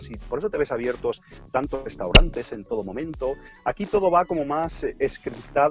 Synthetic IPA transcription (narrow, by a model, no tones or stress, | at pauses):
sipo̞ɾe̞sot̪e̞βesaβjeɾt̪ost̪ant̪ozre̞st̪awɾʔant̪e̞se̞nt̪o̞ð̞o̞momẽ̞nt̪o̞akit̪o̞ð̞o̞βako̞momaseskɾipt̪a